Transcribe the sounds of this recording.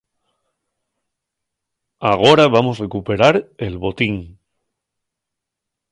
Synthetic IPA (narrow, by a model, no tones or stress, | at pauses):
aɣ̞o̞ɾaβamo̞sre̞kupe̞ɾaɾe̞lβo̞t̪iŋ